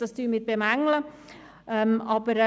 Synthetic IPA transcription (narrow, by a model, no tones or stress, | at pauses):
d̥ɑstyːmɪt̪̚b̥emæŋlə | əmɑbəɾ